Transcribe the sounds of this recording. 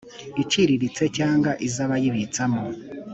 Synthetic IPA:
iciɾiɾit͡se̞caːŋɡaʔizaβajiβit͡samo

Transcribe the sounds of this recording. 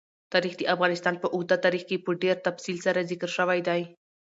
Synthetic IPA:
t̪ɑɾixd̪əʔafɣɑnɪst̪ɑnpəʔʊɣd̪at̪ɑɾixkepəɖeɾt̪afsilsaɾazɪkəɾʃəwajd̪aj

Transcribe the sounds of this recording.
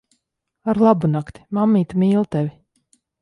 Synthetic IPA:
aɾlˠabunakt̪i̥mamːiːt̪mʲiːlˠt̪ɛvʲi

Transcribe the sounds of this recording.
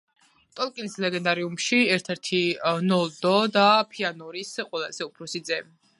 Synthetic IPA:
t̪ʼɔlˠkʼinislɛɡɛnd̪aɾiumʃiɛɾt̪ʰɛɾt̪ʰinɔlˠd̪ɔd̪apʰianɔɾisqʼwɛlˠazɛupʰɾɔsid̪zɛm

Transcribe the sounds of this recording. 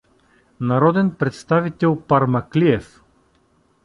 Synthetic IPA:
naɾɔd̪ɛnpɾɛt̪st̪avit̪ɛlˠpaɾmɐkliɛf

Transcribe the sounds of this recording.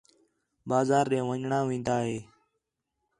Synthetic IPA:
baːzaːɾẽːʋəɲɳãːʋĩːnd̪aːɦeː

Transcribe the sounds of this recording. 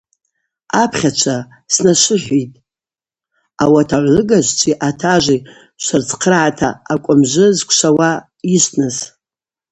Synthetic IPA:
apʰχʲat͡ʃʷʰa | snaʃʷɨħʷitʼ | awatʰaʕʷlɨɡaʒʷt͡ʃʷʼiʔatʰaʒʷi | ʃʷart͡sʰʼqʰərʕatʰa̰ːkʷʼʊmʒʷɨzkʷʰʂawa | iʃʷtʰnɨz

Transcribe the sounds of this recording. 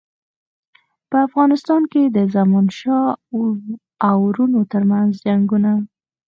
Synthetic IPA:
pəafɣɑnɪst̪ɑnked̪əzamunʃɑ | awɾunot̪əɾmanzd͡ʒaŋɡuna

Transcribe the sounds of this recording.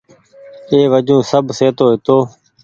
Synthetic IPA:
eːʋəd͡ʒũːsəbseːt̪oːɦɪt̪oː

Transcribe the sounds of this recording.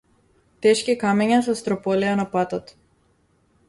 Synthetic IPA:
t̪ɛʃkikamɛɲas̬ɔst̪ɾɔpɔlianapat̪ɔt̪

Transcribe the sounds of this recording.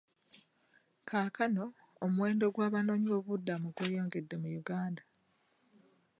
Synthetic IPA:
kʰaːkano̞ː | muwe̞ːndo̞ɡwaːβano̞ːɲiβo̞βudːamuɡweːjo̞ːŋɡe̞dːe̞mujuɡaːnda

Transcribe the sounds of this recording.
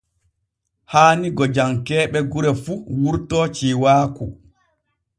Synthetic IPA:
haːniɡɔd͡ʒamkɛːɓɛɡuɾɛfuwuɾtɔt͡ʃiːwaːku

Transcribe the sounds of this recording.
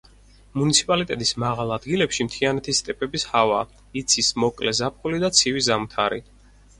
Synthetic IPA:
munit̪sʰi̥pʼalit̪ʼɛt̪ʼismaʁalˠad̪ɡilɛpʃimt̪ʰianɛt̪ʰist̪ʼɛpʼɛbishava | it̪sʰismɔkʼlɛzap̚ʰχulid̪at̪sʰivizamt̪ʰaɾḭ

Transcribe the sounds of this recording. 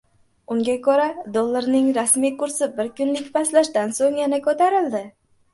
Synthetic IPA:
ʊŋɡʲakʲʰɵɾad̪olˠːaɾnɪŋɾasmijkʊɾsɪbɪɾkʊnlɪkʲpʰaslaʃt̪ansoŋjanakʰɵt̪aɾɪld̪ɪ

